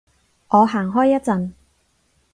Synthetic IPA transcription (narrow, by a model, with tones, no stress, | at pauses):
ʔɔː˨˧ɦaː˨˩ŋɦɔː˥jːɐ˥t̚t͡sɐ˨˧n